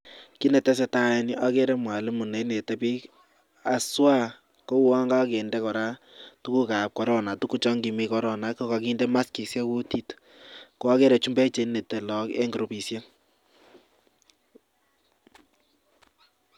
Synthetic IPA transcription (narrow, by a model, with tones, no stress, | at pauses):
ki˦ne˨tɛ˦s̬ɛ˨ta˦jni˦ʔa˦ke˦ɾɛ˦mwa˨lu˦mu˨ne˨ne˨tɛ˨pi˦k | a˦swa˦ | ko˦wɔ˦ŋɡa˦ke˨ndɛ˦kɔ˨ɾa˦ | tu˦ku˦ka˨p̚kɔ˨ɾɔ˨na˨tu˦ku˨t͡ʃɔ˦ŋɡi˨mi˦kɔ˦ɾɔ˨na˨ko˦ka˨ki˦ndɛ˦ma˦ski˨se˦ku˦ti˦t | ko˦a˦ke˦ɾe˨t͡ʃu˦mbɛ˦t͡ʃe˨ne˨te˨lɔ˨˦kḛ˦ŋɡɾo˦pi˨sje˦n